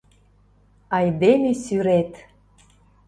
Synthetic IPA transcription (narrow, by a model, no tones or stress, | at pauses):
ɑjd̪emʲesyɾet̪